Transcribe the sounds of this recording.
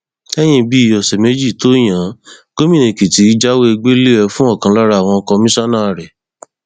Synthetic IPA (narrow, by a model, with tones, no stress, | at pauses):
ɛ˦j̃ĩ˧bi˦i˨jɔ˨sɛ˨me˨˦d͡ʒi˦˨to˦j̃ã˨˦ɡ̥o˦mĩ˦˨nĩ˨ki˨ti˨˦d͡ʒa˦we˦e˧ɡ͡be˦le˦ɛ˧fũ˦ɔ˦˨kã˧˦˧la˦ɾa˧˦a˨w̃ɔ̃˧kɔ˧mĩ˦sa˦nãː˦˨ɾɛ˨